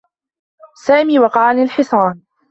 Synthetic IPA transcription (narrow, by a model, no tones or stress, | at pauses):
saːmiːwɑqɑʕalɪlħɪsˤɑːn